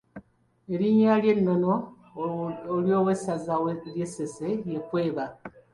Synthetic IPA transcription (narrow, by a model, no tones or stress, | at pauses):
eɾiɲaljenːo̞no | oljoːwesazaljesesejekwe̞ːβa